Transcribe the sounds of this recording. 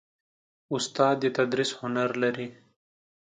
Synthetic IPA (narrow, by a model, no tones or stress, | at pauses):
ʊst̪aːd̪jet̪ɐd̪ɾishʊnaɾlɐɾi